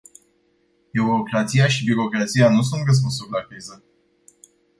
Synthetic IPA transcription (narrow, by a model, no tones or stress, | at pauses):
biuɾokɾat̪sijaʃibiɾo̞kɾat̪sijanus̬unt̪rəs̬ponsurlakɾizə